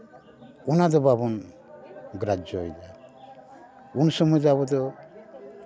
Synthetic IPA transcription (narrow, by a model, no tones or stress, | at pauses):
unad̪ɔbabɔn | ɡɾad͡ʒɔɔjda | unsɔmɔjd͡ʒaβɔd̪ɔ